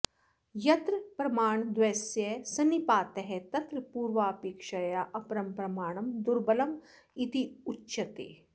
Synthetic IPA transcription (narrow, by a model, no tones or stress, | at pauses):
jɐt̪ɾpɾɐmaːɳd̪ʋɐsjɐsɐnipaːt̪ɐɦɛt̪ɐt̪ɾɐpuːɾʋaːpeːkʃɐjaʔɐpɾɐmpɾɐmaːɳ̃ɐmd̪uɾbɐlɐm | it̪iutːʃɐt̪ḛː